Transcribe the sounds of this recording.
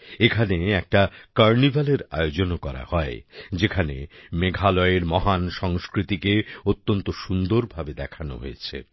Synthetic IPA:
ekʰaneɛk̚ʈakaɾnibʱaleɾa̰jod͡ʑonkɔɾa̰hɔed͡ʑekʰanḛmeɡʱalɔeɾmɔɦanʃɔŋskɾit̪ikeot̪ːont̪oʃund̪oɾbʱabed̪ɛkʰano̰ɦo̰et͡ɕʰḛ

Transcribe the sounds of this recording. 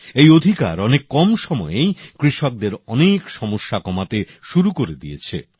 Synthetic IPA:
ejod̪ʱikaɾɔnekːɔmʃɔmɔejkɾiʃok̚d̪eɾɔnekʃɔmoʃːakɔmat̪e | ʃuɾukoɾed̪ijet͡ɕʰe

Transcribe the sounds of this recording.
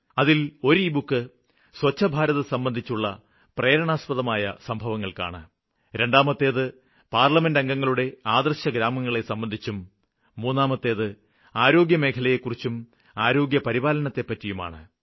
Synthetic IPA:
ɐðilo̞ɾuibukːɨ | swɐt͡ɕːɐbʱaːɾɐðɨsɐmbɐnd̪ʱit͡ɕːuɭːɐ̰ | preːɾɐɳaːspɐðɐmaːjɐ̰sɐmbʱɐʋɐŋːɐɭka̰ːɳɨ | ɾe̞ɳɖaːmɐt̪ːe̞ːðɨ | paːrlɐme̞ndɐŋɡɐŋːɐɭuɽe̞aːd̪ɐrɕɐɡɾaːmɐŋːɐɭe̞sɐmbɐnd̪ʱit͡ɕːumː | uːnːaːmɐt̪ːe̞ːðɨ | aːɾo̞ːɡjɐme̞ːkʰɐlɐjekːurit͡ɕːum | aːɾo̞ːɡjɐpɐɾiβaːlɐnɐt̪ːe̞pːɐtːijuma̰ːɳɨ̰

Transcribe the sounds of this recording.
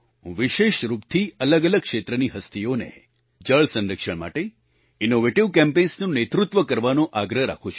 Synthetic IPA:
ɦṵ̃ʋiʃeʃɾupt̪ʰiələɡələɡ̚kʃet̪ɾəniɦəst̪ʰijonḛ | d͡ʒəɭsə̃nɾəkʃəɽma̰ʈe | inoʋeʈiʋkɛ̃mpẽnsnõnet̪ɾut̪ʋəkəɾʋanõʔaɡɾəɦɾa̰kʰũt͡ʃʰu

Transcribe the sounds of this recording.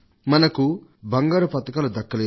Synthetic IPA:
mɐnɐkubɐŋɡaːɾupɐt̪ɐkɐːlud̪ɐkːɐleː

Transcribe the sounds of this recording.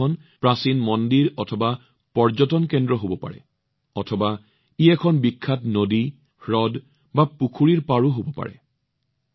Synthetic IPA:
ɔn | pɹasinmɔndiɹɔtʰɔba | pɔɹd͡ʒɔtɔnkɛndɹɔɦobɔpa̰ɹɛ̰ | ɔtʰɔba | iɛkʰɔnbikʰːatnodi | ɹɔd | bapukʰuɹiɹpaɹuɦobɔpa̰ɹɛ̰

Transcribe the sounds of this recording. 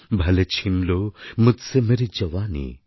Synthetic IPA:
bʱɐlet͡ʃʰinlomʊd͡ʒsemeɾid͡ʒɐʋaːnḭ

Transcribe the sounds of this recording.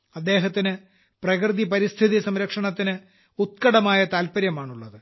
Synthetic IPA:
ɐd̪ːe̞ːɦɐt̪ːinɨ | prɐkrɨðipɐɾist̪ʰiðisɐmɾɐkʂɐɳɐt̪ːinɨ | ut̪̚kɐɽɐmaːjɐt̪aːlpɐɾjɐmaːɳuɭːɐðɨ

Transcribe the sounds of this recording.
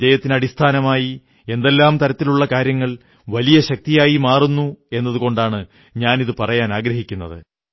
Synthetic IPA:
d͡ʑɐjɐt̪ːinɐɽist̪ʰaːnɐmaːji | e̞nd̪e̞lːaːmt̪ɐɾɐt̪ːiluɭːɐkaːɾjɐŋːɐɭ | ʋɐlijɐɕɐk̚t̪ijaːjimaːrunːue̞nːɐðuɣo̞ɳɖaːɳɨ | ɲaːniðɨpɐrɐjaːnaːɡɾɐɦikʲːunːɐðɨ̰

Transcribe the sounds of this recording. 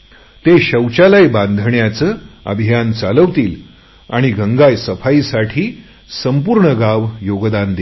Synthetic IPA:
t̪eɕəwt͡ɕalajband̪ʱɳjat͡səːə̰bʱijant͡saləʋt̪iːl | a̰ɽ̃iɡʱəŋɡajsəfaisaʈʰiː | səmpuːɾɳəɡaʋjoɡd̪and̪e

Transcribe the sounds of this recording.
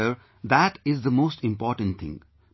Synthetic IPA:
əɾ | d̪æʈɪzd̪əmoːsʈɪ̃mpɔːɾʈə̃nʈt̪ʰɪ̰̃ŋ

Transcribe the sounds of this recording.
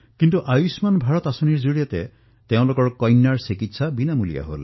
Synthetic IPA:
kintuʔajusmanbʱaɹɔtasoniɹzoɹijate | teʊ̃lokɔɹkɔjnːaɹsikitsabinamulḭja̰ɦo̰l

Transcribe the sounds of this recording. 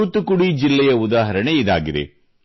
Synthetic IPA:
ut̪ukuɽid͡ʒilːɛjɐud̪aːɦɐɾɐɳeid̪a̰ːɡid̪ḛ

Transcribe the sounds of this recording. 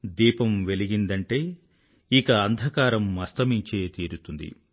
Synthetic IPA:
d̪iːpɐmʋe̞liɡind̪ɐɳʈe̞ː | ikɐːnd̪ʱɐkaːɾɐmːɐst̪ɐmiɲt͡ʃeːt̪iːɾut̪und̪ḭ

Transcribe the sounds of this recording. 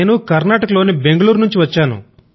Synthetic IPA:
nukɐɾnaːʈɐkɐlo̞ːnibe̞ŋɡɐɭuːɾnuɲt͡ʃiʋɐt͡ʃːaːnṵ

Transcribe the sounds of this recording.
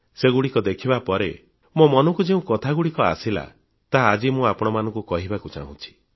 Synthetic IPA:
seɡuɽikɔd̪ekʰibapɔɾe | momɔnɔkud͡ʒeũkɔt̪ʰaɡuɽikɔa̰sila̰ | t̪aɦaːd͡ʒimũapɔɽ̃ɔmanɔ̃ŋkukɔɦibakut͡ʃa̰ɦṵ̃t͡ʃʰi̥

